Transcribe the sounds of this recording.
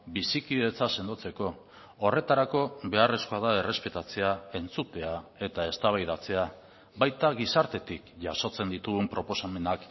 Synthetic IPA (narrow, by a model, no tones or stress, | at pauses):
bisikiðe̞t͡sase̞nd̪ot͡se̞ko̞ː | re̞t̪aɾako̞βe̞are̞skoað̞ae̞re̞spe̞t̪at͡se̞ae̞nt͡sut̪e̞ae̞t̪ae̞st̪aβajðat͡se̞a | βajt̪aɣisaɾt̪e̞t̪ikʝaso̞t͡se̞nd̪it̪uɣumpɾo̞po̞same̞nak